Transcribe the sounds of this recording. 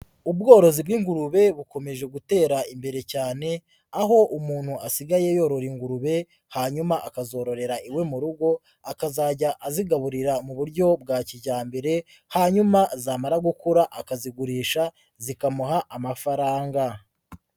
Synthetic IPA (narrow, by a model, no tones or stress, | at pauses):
ubɡo̞ːɾo̞zibɡiːŋɡuɾuβe̞βuko̞me̞ʒe̞ɡute̞ːɾaimbe̞ɾe̞caːne̞ | aɦo̞ʔumuːn̥huasiɡaje̞jo̞ːɾo̞ɾiŋɡuɾuβe̞ | haɲumaʔakazo̞ːɾo̞ɾe̞ɾaʔiwe̞muɾuɡo̞ | akazaɟaʔaziɡaβuɾiɾamuβuɾɟo̞b̚ɡaːciɟaːmbe̞ɾe̞ | haɲumazaːmaɾaɡukuɾaʔakaziɡuɾiːʃa | zikamuɦaʔamafaɾaːŋɡa